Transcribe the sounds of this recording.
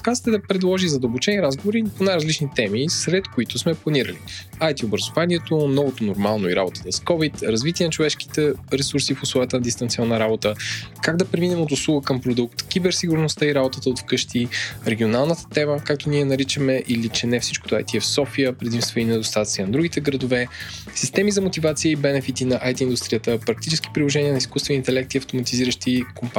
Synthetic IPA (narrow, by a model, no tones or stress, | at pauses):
kazt̪ɛd̪ɐpɾɛd̪lˠɔʒizɐd̪əlˠbot͡ʃɛniɾazɡovoɾiponajɾɐzlit͡ʃnit̪ɛmisɾɛt̪kʊit̪ʊsmɛplˠɐniɾə̰liajt̪iobɾɐzovanʲiɛt̪onɔvot̪onoɾmalˠnoiɾa̰bot̪ət̪əskɔvit̪ɾɐzvit̪iɛnɐt͡ʃovɛʃki̥t̪ɛɾɛsuɾsifʊslˠɔjət̪ənɐd̪ist̪ɐnt̪sʲiɔnːəɾabot̪əkaɡd̪ɐpɾɛminɛmot̪ʊslˠuɡəkəmpɾod̪uk̚t̪kʲibɛɾsiɡʊɾnost̪əiɾabot̪ət̪əot̪fkɤʃt̪iɾɛɡʲionalˠnət̪ə̥t̪ɛməkak̚t̪oniɛnɐɾit͡ʃəmɛʔilit͡ʃɛnɛfsit͡ʃko̥t̪oajt̪iɛfsɔfijəpɾɛd̪imst̪vəinɛd̪ost̪at̪t̪siənd̪ɾuɡit̪ɛɡɾəd̪ovɛ | sist̪ɛmizɐmot̪ivat̪sijəibɛnɛfit̪inɐʔajt̪iːnd̪ust̪ɾijət̪əpɾɐkt̪it͡ʃɛsk̟i̥pɾilˠoʒɛniənɐiskust̪vɛniːnt̪ɛlɛk̚t̪iɐft̪omɐt̪iziɾəʃt̪ikomp